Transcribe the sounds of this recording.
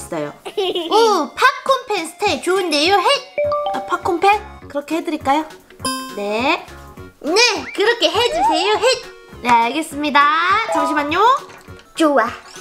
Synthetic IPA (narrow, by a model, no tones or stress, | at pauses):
ssajo̰opʰak̚kʰːompʰensʰɯ̥tʰet͡ɕoɯndejoɦet̚apʰakʰːompʰenkɯɾʌkʰe̞hedɯɾiɭk͈ajo | ne̞ | nekɯɾʌkʰe̞ɦed͡ʑusʰejoɦet̚naaɡes͈ɯmɲidat͡ɕʌŋɕ̬ʰimaɲːo | t͡ɕuwa